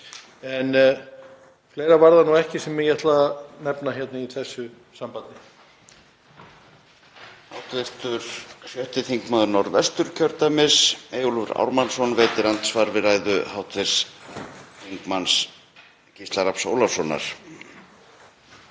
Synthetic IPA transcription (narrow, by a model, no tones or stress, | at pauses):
ɛn | fleːjɾavaɾðanuɛhcɪsɛmjɛjɛt̪lanɛpnaçjɛt̪naiθɛsːʏ | sampant̪ɪ | hawt̪vɪr̥t̪ʏɾ̥sjœht̪ɪθiŋkmaːðʏnɔɾvɛst̪ʏɾ̥cʰœɾt̪amɪsejulvʏɾa̰wɾmansɔnveːt̪ɪɾant̪svaɾvɪɾaːjðʏhawt̪vɪɾ̥s | θiŋkmans | cʰist̪laɾapso̰ːwlafsɔna̰ɾ̥